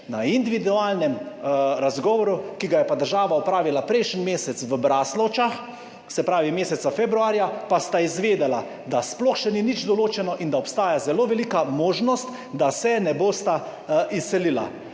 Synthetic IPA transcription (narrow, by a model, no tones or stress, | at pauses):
naind̪iʋid̪uaːlnɛmɾazɡɔːʋɔɾukiɡajɛpad̪əɾʒaːʋaɔpɾaːʋilapɾɛjʃnimeːsɛt̪sʋəbɾaːslɔt͡ʃax | sɛpɾaːʋimeːsɛt̪safebɾuaːɾjapast̪aizʋeːd̪ɛla | d̪asplɔxʃɛninid͡ʒd̪ɔloːt͡ʃɛnɔʔind̪aɔpst̪aːjazɛloːʋɛlikamoːʒnɔst̪ | d̪asɛnɛboːst̪a | isːɛlila̰